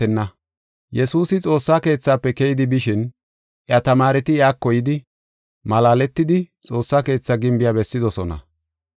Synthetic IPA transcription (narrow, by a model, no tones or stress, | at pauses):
ɛnːɐ | jɛsuːsɪt͡sʼo̞ːsːaːke̞ːt͡sːaːpːɛkɛjɪd̪ɪbɪʃɪn | ʔjɐt̪ɐmaːɾɛt̪ɪjaːkːɔjɪd̪ɪ | mɐlaːlɛt̪ːɪd̪ɪt͡sʼo̞ːsːake̞ːt͡sːaɡɪmbɪjabɛsːɪd̪ɔsɔnɐ̰